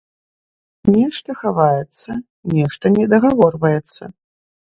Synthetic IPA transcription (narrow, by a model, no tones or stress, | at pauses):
nʲɛʂt̪ɐxavajɛt̪sːɐ | nʲɛʂt̪ɐnʲɛd̪ɐɣavɔrvɐjɛt̪sːɐ̰